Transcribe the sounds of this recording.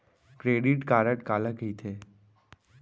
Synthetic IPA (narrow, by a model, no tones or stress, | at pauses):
kɾeːɖiʈkaːɾəʈkaːləkɦit̪ʰeː